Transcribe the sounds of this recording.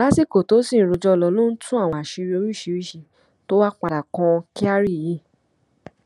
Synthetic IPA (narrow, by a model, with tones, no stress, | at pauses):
la˨˦si˦˨ko˨to˨˦sĩ˦˨˦ɾo˧d͡ʒɔ˧lɔ˧lo˦n̩˦tʰũ˦a˦˨w̃ɔ̃˧a˨ʃi˧ɾi˧o˧ɾi˦˨ʃi˧ɾi˦˨ʃi˧ | to˦wa˦k͡pa˧ɾa˨kɔ̃˧ki˦a˦ɾi˦˨jĩ˦˨